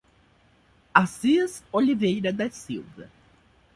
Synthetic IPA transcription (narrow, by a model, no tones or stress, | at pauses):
asizolivejɾɐd̪ɐsiwvɐ̰